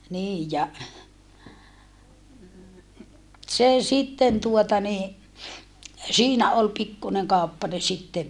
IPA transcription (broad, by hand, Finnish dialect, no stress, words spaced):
niː jɑ se sitːen tuotɑ ni siːnæ ol pikːuneŋ kɑˑupːɑne sitːeʋ